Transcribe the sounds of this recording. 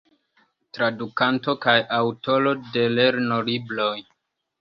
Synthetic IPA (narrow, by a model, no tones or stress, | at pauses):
tɾadukanto̞kajawto̞lo̞de̞leɾno̞liblo̞j